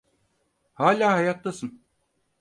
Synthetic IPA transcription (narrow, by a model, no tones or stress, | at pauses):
haːlʲaːhajat̪lˠasɯn